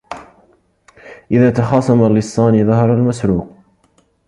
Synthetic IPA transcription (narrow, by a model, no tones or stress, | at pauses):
ʔɪðaːt̪ɑxɑːsˤɑmalɪsˤːɑːniːðˤɑɦɑɾˤalmasɾuːq